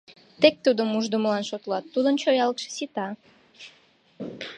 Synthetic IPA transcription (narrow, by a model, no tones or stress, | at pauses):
t̪ek̚t̪ud̪əmuʒd̪əmlɑnʃot̪lɑt̪ːud̪ənt͡ɕojɑlt̪ʃe̥sit̪ɑ